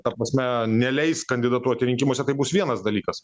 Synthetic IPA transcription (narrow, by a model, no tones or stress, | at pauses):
t̪ɐpɾɐsʲmʲɛnʲɛlʲɛɪskɐnʲd̪ʲɪd̪ɑːt̪uɐt̪ʲɪɾʲɪŋʲkʲɪmoːsʲɛt̪ɐɪbusʋʲiɛnɐsd̪ɐlʲiːkɐs